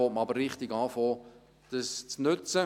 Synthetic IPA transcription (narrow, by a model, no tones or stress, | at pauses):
oːtməɑbəɾrɪχtɪɡɑːfoː | d̥əst͡snʏt͡sə